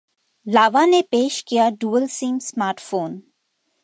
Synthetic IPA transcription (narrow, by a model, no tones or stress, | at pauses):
laːʋanepeːʃkijaɖuːəlsĩːmsmaːɾʈfoːn